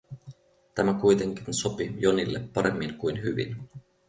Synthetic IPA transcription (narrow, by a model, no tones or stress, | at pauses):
t̪æmækujt̪e̞ŋkinso̞pijonilːepːɑɾemːiŋkujnɦyʋḭn